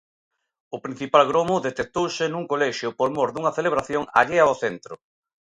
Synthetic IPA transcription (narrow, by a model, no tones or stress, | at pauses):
ʊpɾin̟θipalɣɾomʊðet̪et̪owsɪnuŋkolɛʃjʊpolmoɾðuŋɐθeleβ̞ɾaθjoŋa̰ʎeaoθent̪ɾʊ